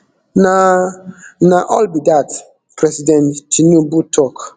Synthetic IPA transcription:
na | naʔɔlbidat | pɾɛsidɛ̃ntinubutʰɔk

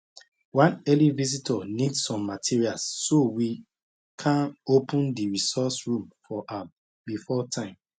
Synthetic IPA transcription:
wãnɛlivizitʰɔnidsɔ̃mːatʰiɹialsːowi | kʰãnopʰũndiɹisɔsɹũmfɔʔã | bifɔtʰãɪ̃m

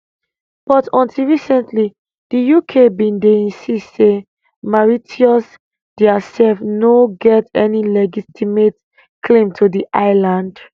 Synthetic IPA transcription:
b̥ɔtɔ̃ntʰilɹisɛ̃ntli | d̥ijukʰebĩndeĩnsistse | maɹitʰiɔs | d̥ɛasɛlfnoɡɛtɛnilɛɡitʰimet | kʰlĩmtʰudiʔaɪlãnd

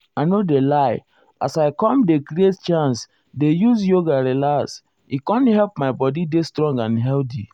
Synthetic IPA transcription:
aɪnodelaɪ | asaɪkɔ̃mdekɾiett͡ʃãns | dejuzjoɡaɾelas | ikɔ̃nhɛlpmaɪbɔdidestɾɔ̃ŋɡãnɦɛlti

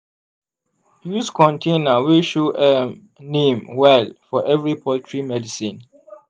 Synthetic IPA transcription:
juskʰɔ̃ntʰẽnəwiʃoʔɛ | nẽmwɛlfɔʔɛvɹipʰɔltʰɹimɛdisĩn

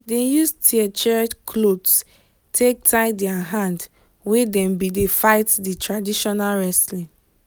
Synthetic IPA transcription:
dejustʰiɛt͡ʃɛt͡ʃkʰlods | tʰek̚taɪdɛaɦãnd | wedɛ̃mbidefaɪtditɹadiʃɔnalɹɛslĩ

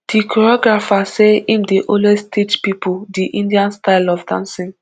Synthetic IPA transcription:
d̥ikɔɹɔɡɹafaseĩmdeʔõlestit͡ʃpipʰudiʔĩndiãnstaɪlɔfdã̰nsɔ̃n

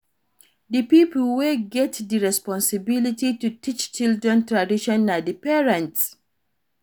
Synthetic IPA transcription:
dəpipl̩weɡɛtdəɹɛspɔ̃nsibilititutit͡ʃt͡ʃildɹɛ̃ntɹadiʃɔ̃nadəpɛɹãnts

